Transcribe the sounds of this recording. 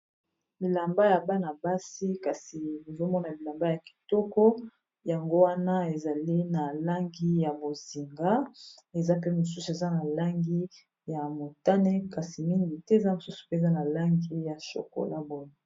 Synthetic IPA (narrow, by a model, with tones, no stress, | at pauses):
li˨la˨mba˦ja˨ba˦na˨ba˦si˦ka˨si˨ni˨zo˦mɔ˦na˨li˨la˨mba˦ja˨ki̥˨tɔ˦kɔ˦ | ja˨ŋɡo˦wa˦na˦e˨za˨li˦na˨la˦ŋɡi˦ja˨bo˨zi˨ŋɡa˦e˨za˦p̬e˦mo˨s̬u˦su˨e˨za˦na˨la˦ŋɡi˦ | ja˨mo˨ta˦nɛ˦ka˨si˨mi˦ŋɡi˨tɛ˦e˨za˦mo˨su˦su̥˨pe˦˨za˦na˨la˦ŋɡi˦ja˨ʃo̰˨ko̰˨la˦bo˦jo˨